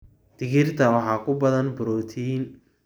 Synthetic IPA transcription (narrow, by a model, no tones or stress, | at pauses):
d̪̥ɪɣɪrt̪ʰɐwɑħɑːkʰʊbɐðɐnbʊɾɔːt̪ʰiːn